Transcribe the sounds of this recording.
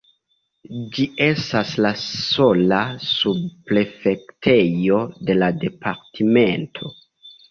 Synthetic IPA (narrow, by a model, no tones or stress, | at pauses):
d͡ʒie̞staslaso̞lasubple̞fe̞ktʰe̞jo̞de̞lade̞pʰaɾtʰime̞ntʰo̞